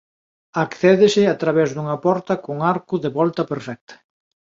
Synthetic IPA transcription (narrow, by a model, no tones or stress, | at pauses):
akθɛðɪsɪat̪ɾaβɛzðuŋɐpɔɾt̪ɐkoŋaɾkʊðeβɔlt̪ɐpeɾfɛk̚t̪ʰɐ̥